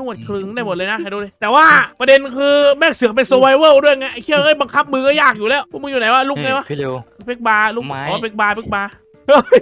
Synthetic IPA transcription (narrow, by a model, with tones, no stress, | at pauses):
nu˧˩ət̪̚kʰlɯ˧ŋdaː˥˩jmo˨˩t̚lɤː˧jna˦ʔa˨˩duː˧˩lɤ˧jt̪ɛː˨˩waː˥˩pɾa˧de˧nkʰɯː˧mɛː˥˩k̚sɯ˨˦ə˦ŋpe˧nsoː˧wa˧jwɤː˥˩du˥˩əjŋa˧˥jʔa˧˩kʰi˥˩əwhɤː˥˩jba˧ŋkʰa˦˥p̚mɯː˧kɔː˥˩jaː˥˩k̚juː˨˩lɛː˦˥˩wpʰɔ˥˩mɯ˧ŋjuː˨˩na˨˦jwaː˧˥˩luː˦˥˩k̚ŋa˧jwa˦˥˧pʰe˦˥k̚baː˧luː˥˩kːa˧pe˧˥˩k̚baː˧pʰe˦˧˩k̚baː˧ | ʔɤː˧˩